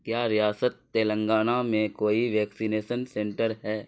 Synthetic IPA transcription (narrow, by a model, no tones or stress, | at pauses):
kjaːɾijaːsət̪ːeːlə̃ŋɡaːnamẽkoːiʋɛːksineːʃənsẽɳʈəɾɦɛː